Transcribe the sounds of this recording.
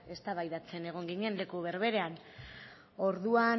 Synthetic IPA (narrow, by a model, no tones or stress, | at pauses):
e̞st̪aβajðat͡se̞ne̞ɣ̞o̞ŋɡiɲe̞nle̞kuβ̞e̞ɾβe̞ɾe̞an | o̞ɾðua